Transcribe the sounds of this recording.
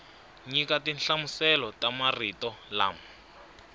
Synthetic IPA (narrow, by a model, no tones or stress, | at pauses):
ɲikatinɬamusɛlɔtamaritɔla̰ːmu